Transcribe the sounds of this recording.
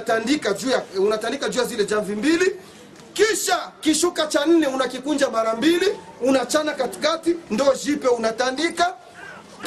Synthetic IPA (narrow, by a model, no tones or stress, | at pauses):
tandikad͡ʒujaunatandikad͡ʒujazilɛd͡ʒaɱvimbili | kiʃakiʃukat͡ʃan̩nɛunakikund͡ʒamaɾambiliunat͡ʃanakati̥katindɔʒipɛunatandika